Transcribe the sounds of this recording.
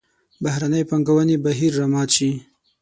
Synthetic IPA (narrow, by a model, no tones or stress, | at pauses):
bahɾanəjpaŋɡawənebaɦiɾːamɑt̪t͡ʃi